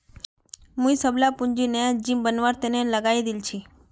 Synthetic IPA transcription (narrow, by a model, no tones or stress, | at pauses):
mũĩsəblapũɲd͡ʒinəjad͡ʒimbənʋaɾt̪eneləɡaid̪ilt͡ʃʰi